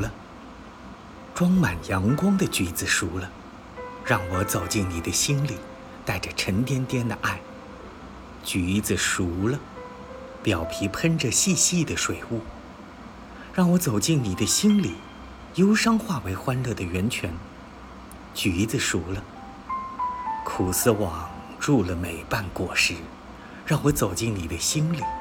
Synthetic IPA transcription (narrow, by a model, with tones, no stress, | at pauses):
lə˧ | ʈ͡ʂwɑ˥ŋma˨˩njɑ˧˥ŋkwɑ˥ŋd̪ə˨t͡ɕy˧˥d͡zɹ̩˨˩ʂu˧˥lə˧ | ɻɑ˥˩ŋwɔ˨˧˥t͡so˨˩ʊt͡ɕi˥˩nni˨˩d̪ə˦ɕi˥nli˨˩ | t̪a˥˩ɪʈ͡ʂə˩ʈ͡ʂʰə˧˥ŋt̪jɛ˥nt̪jɛ˥nd̪ə˨ʔa˥˩ɪ | t͡ɕy˧˥d͡zɹ̩˩ʂu˧˥lə˧ | pjɑ˨˩ʊpʰi˧˥pʰə˥nʈ͡ʂə˨ɕi˥˧ɕi˥˧d̪ə˩ʂwe˨˩ɪu˥˩ | ɻɑ˥˩ŋwɔ˧˥t͡so˨˩ʊt͡ɕi˥˩nni˨˩d̪ə˦ɕi˥nli˨˩˦ | jo˥ʊʂɑ˥ŋxwa˥˩we˧˥ɪxwa˥nlɤ˥˩d̪ə˩ɥɛ˧˥nt͡ɕʰɥɛ˧˥n | t͡ɕy˧˩˥t͡s̩˨˩ʂu˧˥lə˧ | kʰu˨˩sɹ̩˥˩wɑ˧˥˦ŋ | ʈ͡ʂu˥˧lə˩me˨˩ɪpa˥˩nkwɔ˨˩ʂɻ̩˧˥ | ɻɑ˥˩ŋwɔ˧˥t͡so˨˩ʊt͡ɕi˥˩nni˨˩d̪ə˦ɕi˥nli˨˩˦